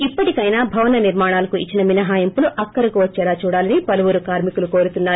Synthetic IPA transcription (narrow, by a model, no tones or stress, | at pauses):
ipːɐʈikɐjnaːbʱɐʋɐnɐniɾmaːɳaːlɐkuit͡ʃːinɐminɐɦaːjɐmpuluʔɐkːɐɾɐkuʋɐt͡ʃːɛːlaːt͡ʃuːɽaːlɐnipɐluʋuɾukaːɾmikulukoːɾut̪unːaːɾu